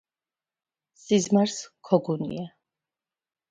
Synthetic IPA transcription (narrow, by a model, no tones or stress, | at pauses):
sizmaɾskʰɔɡunḭa